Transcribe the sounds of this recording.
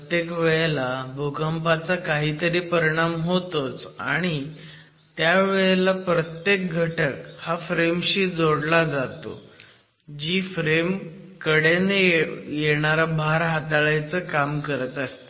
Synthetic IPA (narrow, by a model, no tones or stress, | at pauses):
ət̪jekʋeɭlabʱukəmpat͡sakaɦiːt̪əɾiːpəɾiɽ̃amɦot̪ot͡sa̰ɽ̃i | t̪jaʋeɭlapɾət̪jek̚ɡʱəʈəkhafɾemɕiːd͡zoɽlad͡zat̪o̰ | d͡ʑiːfɾemkəɽenejeɽ̃aɾabʱaɾɦat̪aɭajt͡səkamkəɾət̪əst̪e